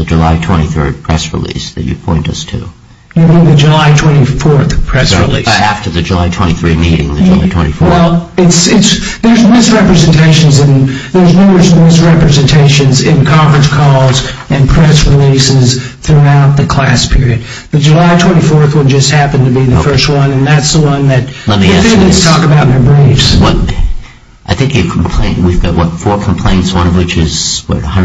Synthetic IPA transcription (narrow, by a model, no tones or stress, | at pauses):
ðəd͡ʒəla̰ɪtʰw̥ɛ̃ɾ̃iθɜ̰˞d̚pʰɹ̥ɛ̰sɹḭlḭsðɨ̰t͡ʃɨ̰pʰɔ̰̃ɪ̃ntʌ̰stʰʉ̰ | jɨbinðɨd͡ʒɨlaɪtʰw̥ɛ̃ɾ̃ifɔɹθpʰɹ̥ɛsɹḭlḭæftə˞ðɨd͡ʒɨlaɪtʰw̥ɛ̰̃ɾ̃iθɹimiɾɪ̰̃ŋðɨd͡ʒɨla̰ɪtʰw̥ɛ̰̃ɾ̃ifwɛlˠɪtsɪts | ðə˞zmɪsɹɛpɹɨzɨ̃ntʰeɪʃɨ̃n̩zɨ̃nðə˞znɪɹɨsmɪsɹɛpɹɨzɨ̃ntʰeɪʃɨ̃nzɪ̃nkʰɑ̃ɱfɹɨ̃nskʰɔlˠzɨ̃npʰɹ̥ɛsɹɪlisɪz̥ | θɹuaʊt̪̚ðɨkʰl̥æ̰spʰɪɹiɨd̪̚ | ðɨd͡ʒɨlaɪtʰw̥ɛ̃ɾ̃ifɔɹθwə̃nd͡ʒʌst̚hæpɨ̃ntɨbiðɨfɜ˞st̚wʌ̃nɨ̃nðætsðəwʌ̃nðɨt̚lɛt̚miæθɨstʰɔkəbaʊt̪̚ðə˞bɹifswʌɾ | ʔaɪθɪ̃ŋkjəkʰm̩pʰl̥ḛ̃ɪ̃nwivɡɑ̰ʔ̚wʌ̰tfɔɹkʰm̩pʰl̥ḛ̃ɪ̃ntswʌ̃nʌvwɨt͡ʃɪ̰z̥wə̰˞ʌ̃n